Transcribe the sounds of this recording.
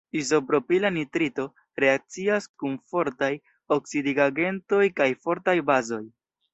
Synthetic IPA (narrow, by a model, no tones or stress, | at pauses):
izo̞pɾo̞pilanitɾito̞ | ɾe̞ak̚t͡siaskunfo̞ɾtaj | o̞ksidiɡaɡe̞nto̞jkajfo̞ɾtajbazo̞j